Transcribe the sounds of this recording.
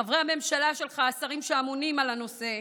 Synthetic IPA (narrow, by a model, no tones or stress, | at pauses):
avʁeame̞mʃalaʃe̞lχaːsaʁimʃeamonimalano̞se̞